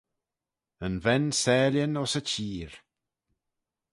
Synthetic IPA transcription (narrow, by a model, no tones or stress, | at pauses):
ənvɛnsɛːljənɔsət͡ʃʰiːɹ